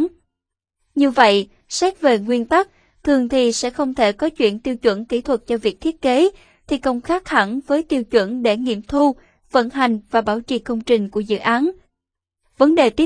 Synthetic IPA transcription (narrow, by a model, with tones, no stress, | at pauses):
ɲɨ˧və̰˧˨jʔ | sɛ˦˥k̚ve˨˩ŋwi˧ənt̪a˦˥k̚ | t̪ʰɨ˨˩əŋt̪ʰi˨˩sɛ̰˧˥xə˧wŋ͡mt̪ʰe˧˩kɔ˨˦t͡ɕwḭ˧˨ənt̪i˧əwt͡ɕwə̰˧˥nkḭ˧˥˩t̪ʰwə˨˩t̚t͡ɕɔ˧vi˨˩ək̚t̪ʰi˦˥ət̚ke˨˦ | t̪ʰi˨˩kə˧wŋ͡mxaː˦˥k̚ha˧˩nvəː˨˦jt̪i˧wt͡ɕwə̰˧˥nɗe˧˩ŋḭ˧˨əmt̪ʰu˧ | və̰˧˥nɦa˨˩jŋ̟vaː˨˩ɓaː˧˩wt͡ɕḭ˧˩kə˧wŋ͡mt͡ɕï˨˩ŋ̟ku˧˩əzɨ̰˧˨ʔaː˨˦n | və˨˦nɗe˨˩t̪i˦˥